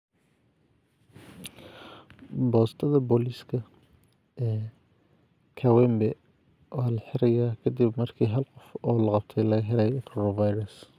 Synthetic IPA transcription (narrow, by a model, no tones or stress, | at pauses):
bɔːst̪ʰɐðɐbɔliskʰɐ | ɛː | kʰɐwɛmbɛ | waːlɐħɪɾɐjaːkʰɐd̪ibmɐrkʰiːɦɐlqɔfɔːlɐqɑb̚t̪ʰɛjlɐɣɐɦɛlɐjɛkʰɔɾɔvajɾɐs